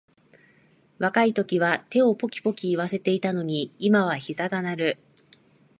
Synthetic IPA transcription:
βakait̪o̞kʲiβat̪e̞o̞po̞kʲi̥po̞kʲiːβ̞ase̞t̪e̞it̪ano̞ɲ̟iːmaβaçizaɡanaɾɯ̟

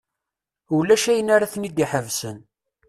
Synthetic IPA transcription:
ulæʃæjənaɾaθnid̪iħəvsən

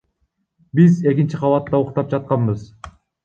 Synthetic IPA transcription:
bize̞k̬ʲint͡ʃiqʰɑlˠɑt̪ːɑoqt̪ɑp̚d͡ʒɑt̪̚qɑnbɯz

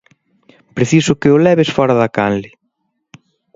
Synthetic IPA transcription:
pɾeθisʊkɪʊlɛβesfɔɾɐðɐkanlɪ

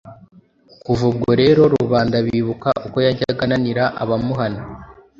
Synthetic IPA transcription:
kuvub̚ɡo̞ɾe̞ːɾo̞ɾuuβaːndaβiːβukaʔuko̞jaɟaɡananiɾaʔa̰βamuɦana

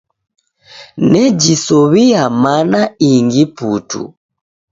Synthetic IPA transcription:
nɛd͡ʒisɔβiamanaiŋɡiputṵ

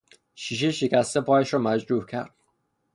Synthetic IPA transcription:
ʃiːʃ̬eʃecʲæst̪e̞pʰɒːjæʃɾɒːmæd͡ʒɾuːhcʰæ̰ɾd̪̥̚

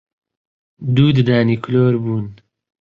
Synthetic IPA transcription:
d̪uːd̪d̪aːniːkʰloːɾbuːn

